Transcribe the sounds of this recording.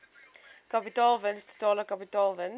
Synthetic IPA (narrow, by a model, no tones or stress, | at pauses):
kapitɑːlˠvɛnst̪ə̥t̪ɑːləkapitɑːlˠvɛn